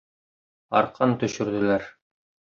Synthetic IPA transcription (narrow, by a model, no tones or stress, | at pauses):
ɑ̰ɾqʰɑnt̪ɵ̆ɕɵ̆ɾd̪ɘ̆læɾ